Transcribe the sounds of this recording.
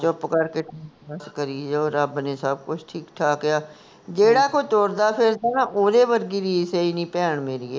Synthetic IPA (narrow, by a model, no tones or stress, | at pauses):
t͡ʃʊpkəɾkeːʈʰiːbəskəɾiːd͡ʒeoːɾəbneːsəb̚kʊt͡ʃʰʈʰiːkʈʰaːkɪjaː | d͡ʒeːɽaːkot̪oːɾd̪aːpʰɪɾt̪aːnaːʔoːɾeːbəɾɡiːɾiːseinĩːpɛːɳmeɾieː